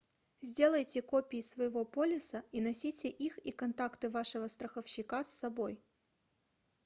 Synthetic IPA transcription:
zʲdʲe̞lˠəjtʲɪkopʲɪjɪsvəjɪvo̞polʲɪsəinɐsʲitʲɪʔixikɐnt̪akt̪ɨvaʂɨvəst̪ɾəxəfɕːɪkasːɐboj

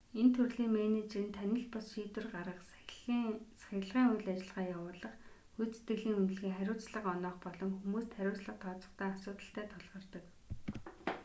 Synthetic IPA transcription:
ent̪ʰɵrɮiːŋmenet͡ɕrɘ̆nt̪ʰænʲɪ̆ɬpʊsʃiːt̪wɘ̆rɢaɾə̆q | sḁxʲɪ̆ɮʁiːŋujɮæt͡ɕɪ̆ɮʁaːjawʊːɮə̆χ | xut͡se̥t̪ɡɘ̆ɮiːŋun̆ɮɣiːŋχæɾʲʊːt͡sɮə̆qɔnɔːχpɔɮɞ̆mxumuːst̪ʰχæɾʲʊːt͡sɮə̆q̚t̪ʰɔːt͡sɞ̥̆χt̪ʰæːasʊːt̪ə̆ɬt̪æːt̪ʰɔɮʁɞ̆rt̪ə̆k

